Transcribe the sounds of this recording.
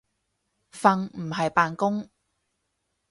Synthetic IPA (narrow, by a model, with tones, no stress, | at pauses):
fɐ˨˧ŋm̩˨˩ɦɐ˨jpaː˨nkʊ˥ŋ